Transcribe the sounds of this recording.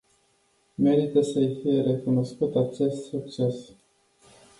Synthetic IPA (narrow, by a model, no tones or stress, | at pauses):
me̞ɾit̪əsəjfije̞ɾe̞kuno̞skut̪at͡ʃe̞st̪suk̚t͡ʃe̞s